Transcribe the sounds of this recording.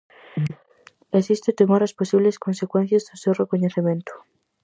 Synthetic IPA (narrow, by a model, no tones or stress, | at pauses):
esist̪et̪emoɾɐsposiβleskonsekwen̟θjazðʊsewrekoɲeθemẽnt̪ʊ̥